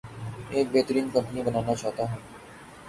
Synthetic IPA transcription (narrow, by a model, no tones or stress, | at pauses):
eːk̚beːt̪ɾiːnkə̃mpənibənaːnat͡ʃaːɦt̪aɦɛː